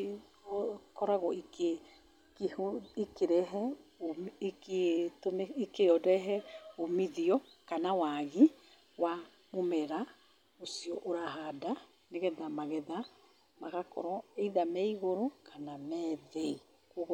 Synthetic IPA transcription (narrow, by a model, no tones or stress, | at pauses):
okɔɾaɣɔike | kikeɾɛɦɛ | ketomikeɔdɛɦɛomiðiɔ | kanawaɣi | wa | momɛɾa | osiɔʔoɾaɦada | neɣɛðamaɣɛða | maɣakɔ̰ɾɔeiðamaiɣoɾokʰanamɛðei | koɣ